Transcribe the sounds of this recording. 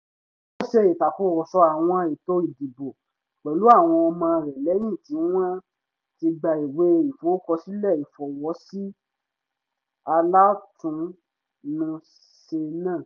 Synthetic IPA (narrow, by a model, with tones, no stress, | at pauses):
o˦ʃe˧i˨ta˨ko˦˨wɔ˨sɔ˧˦a˨w̃ɔ̃˧˦e˨to˦i˦˨di˨bo˨ | k͡pɛ˨˦lu˨˦a˦˨w̃ɔ̃˧ɔ˧mãː˧ɾɛ˨lɛ˨˦j̃ĩ˦˨tĩ˨˦w̃ã˦ | ti˧ɡ͡ba˧i˨we˨˦i˨fo˨˦kɔ˧si˦lɛ˦˨i˨fɔ˨wɔ˨˦si˦ | a˧la˦tũ˧ | nũ˧ | ʃe˧nãː˦˨